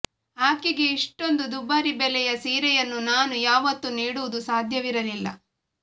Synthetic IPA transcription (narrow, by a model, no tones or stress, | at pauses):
aːkiɡe̞iʂʈo̞nd̪ud̪ubɐɾibɛlɛjɐsiːɾɛjɐnːunaːnujaːʋɐt̪ːuniːɽuʋud̪usaːd̪ʱjɐʋiɾɐlilːɐ̰